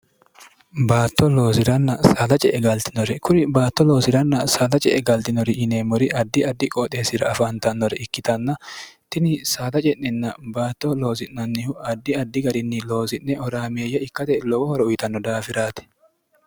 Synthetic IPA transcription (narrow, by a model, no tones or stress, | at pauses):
baːt̪ːɔlo̞ːsɪɾɐnːɐsaːt̪ɐt͡ʃʼɛʔɛɡɐlt̪ɪnɔɾɛkʊɾɪbaːt̪ːɔlo̞ːsɪɾɐnːɐsaːt̪ɐt͡ʃʼɛʔɛɡɐlt̪ɪnɔɾɪʔɪneːmɔɾɪʔɐd̪ːɪɐd̪ːɪkʼɔːt̪ʼe̞ːsɪɾɐɐfant̪ɐnːɔɾɛʔɪkːɪt̪ɐnːɐt̪ɪnɪsaːt̪ɐt͡ʃʼɛʔnɛnːɐbaːt̪ːɔlo̞ːsɪʔnɐnːɪhʊɐd̪ːɪɐd̪ːɪɡɐɾɪnːɪlo̞ːsɪʔnɛhɔɾaːmeːjːɐɪkːɐt̪ɛlɔwɔhɔɾɔʊjt̪ɐnːɔd̪aːfɪɾaːt̪ɛ̥